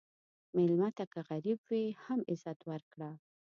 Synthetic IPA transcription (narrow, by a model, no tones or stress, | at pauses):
mɪlmat̪akaɣaɾibwehamɪzat̪waɾkɽa